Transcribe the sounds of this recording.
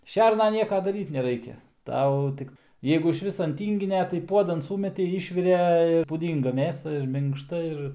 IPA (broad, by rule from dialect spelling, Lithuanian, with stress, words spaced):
ˈʃʲɛrnɐ ˈnʲiɛkɐ dɐˈrʲiːt nʲɛˈrɐɪkʲɛ ˈtɐʊ ˈtʲɪk ˈjɛɪɡʊ ɪʃʲˈʋʲɪs ɐn ˈtʲiːŋʲɡʲɪnʲɛ tɐɪ ˈpuɔdɐn ˈsuːmʲɛtʲɛɪ ˈiːʃʲʋʲɪrʲɛ puːˈdʲiːŋɡɐ ˈmʲeːsɐ ɪr mʲɪŋkʃˈtɐ ˈɪr